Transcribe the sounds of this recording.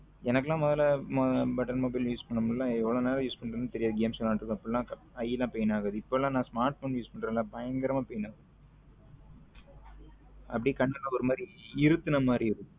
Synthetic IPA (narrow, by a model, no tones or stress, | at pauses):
ɛnɐkːlãːmɔðɐlɐmbɐʈːɐnmoːbɐɪljuːspɐɳːɯmɯlːãːɛʋːɐɭoːneːlɐjuːspɐɳɖɾɐnːɯt̪ɛɾɪjaːðɯɡeːmsɔlːaːʈɾɯkːɯɐpːɐɽlːãːkɐ | ɐjːɐlːãːpejɐnaːɣaðɯɪpːoːlãːnãːsmaːɾʈfoːnjuːspɐɳɖɾẽːlãːbɐjɐŋɡɐɾɐmaːpejɐnaːɐ | ɐpːɐɽikɐɳːɯlːãɔɾɯmaːdɾiɪɾɯt̪ːɯnɐmaːd̪ɾiɪɾɯ